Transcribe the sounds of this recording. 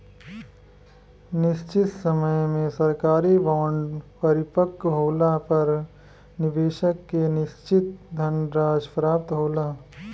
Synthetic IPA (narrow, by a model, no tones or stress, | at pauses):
nɪst͡ʃɪt̪səməjmẽsɐɾkaːɾibaːɳɖpɐɾɪpəkːɦoːlapɐɾ | nɪbeːʃəkːenɪʃt͡ʃɪt̪̚d̪ʱɐnɾaːd͡ʒpɾaːp̚t̪ɦoːlaː